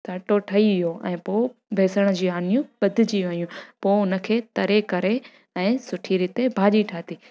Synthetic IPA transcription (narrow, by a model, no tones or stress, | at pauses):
saːʈoʈʰɐiʋɪjoʔɛ̰̃ːpoːbʱɛːsəɽ̃ə̆d͡ʑiːaːnijũɓɐd̪ʱɪd͡ʑiʋɐijũpoːʊnə̆kʰeːt̪ɐɾekɐɾe | ɛ̃ːsʊʈʰiɾɪːt̪ebʱaːʄiʈʰaːt̪iː